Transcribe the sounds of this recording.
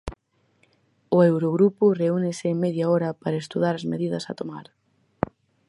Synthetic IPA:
ʊewɾoɣɾupʊreunɪsɪmeðjaɔɾɐpaɾɐest̪uð̞aɾɐzmeðiðɐsɐ̰t̪omaɾ

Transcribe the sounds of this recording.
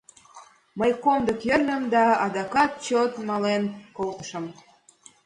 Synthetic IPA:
məjkomd̪əkjərnəmd̪ɑɑd̪ɑkɑt̪̚t͡ɕot̪mɑlenkolt̪ə̥ʃə̆m

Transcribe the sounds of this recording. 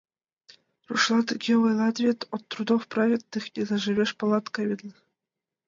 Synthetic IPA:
ruʂlˠɑt̪ɡʲeʋɤjlˠɑt̪vʲet̪ʲot̪ːrud̪ofprɑvʲet̪ʲːɨxʲizɑʐɨ̆βʲeʂpɤ̆lˠɑt̪kɑβʲed̪lʲ

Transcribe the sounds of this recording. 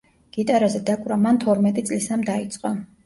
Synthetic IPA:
ɡ̥it̪ʼaɾazɛd̪akʼɾamant̪ʰɔɾmɛt̪ʼit̪sʼlisamd̪ait̪sʼqʼɔ

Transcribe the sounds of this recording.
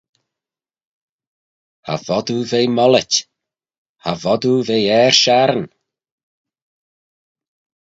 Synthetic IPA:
ha̰vɔd̪uvejmɔlətʲ | havɔd̪uvejɛɹʃaɾən

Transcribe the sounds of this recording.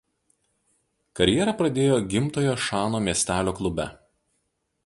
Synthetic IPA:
kɐɾʲjɛɾɐˑpɾɐd̪ʲeːjoːɡʲɪmt̪oːjoːʃɑːnoːmʲiɛsʲt̪ʲæːlʲoːklˠʊbʲɛ

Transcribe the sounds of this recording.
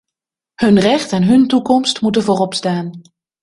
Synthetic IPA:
hɵnrɛχtɛnɦɵntukɔmstmut̬ənvoːrɔpstaːn

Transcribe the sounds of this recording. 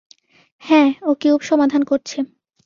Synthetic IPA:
hɛ̃okiupʃɔmad̪ʱankoɾt͡ɕʰe

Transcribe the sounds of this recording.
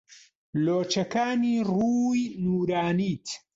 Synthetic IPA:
loːt͡ʃɐkaːniːruːjnuːɾaːniːt̪

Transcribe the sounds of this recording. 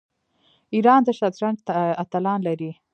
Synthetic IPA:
iɾɑnd̪əʃad̪ɾaɳt̪at̪alɑnlaɾi

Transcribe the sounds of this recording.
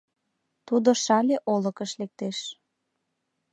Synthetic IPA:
t̪ud̪oʃɑlʲeʔolə̆kəʃlek̚t̪eʃ

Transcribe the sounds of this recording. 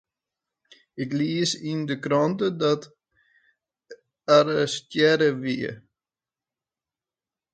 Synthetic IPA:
ɪkliəsindəkrɔntədɔt | aɾəstjɛɾəʋiə̰

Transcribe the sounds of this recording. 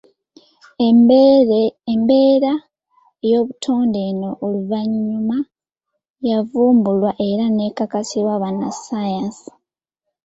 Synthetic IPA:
embeːɾa | ejo̞ːβutʰo̞ːnde̞ːno̞ʔoluvaɲːuma | javuːmbulwaʔe̞ɾane̞ːkakasiɾwaβanasajansi̥

